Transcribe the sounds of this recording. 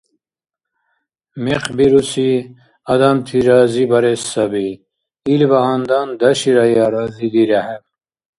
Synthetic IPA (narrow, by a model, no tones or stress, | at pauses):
meqbiɾusi | ɐd̪amt̪ʰiɾaːzibɐɾesɐbi | ilbɐɦand̪and̪ɐɕiɾajaːɾazid̪iɾahem